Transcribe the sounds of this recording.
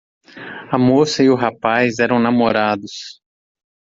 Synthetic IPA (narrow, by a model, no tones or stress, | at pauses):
ɐmosɐɪʊɦapajzɛɾɐ̃w̃namoɾad̪ʊs